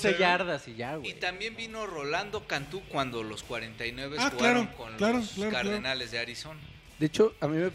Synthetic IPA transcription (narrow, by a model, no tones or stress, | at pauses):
seʝaɾðasiʝaɣwit̪ambje̞mbino̞ro̞land̪o̞kant̪ukwand̪o̞lo̞skwaɾent̪ajnwe̞βeaklaɾokonllaɾoklaɾoaɾlðaeonalezðeaɾiso̞na | d̪eet͡ʃoamĩme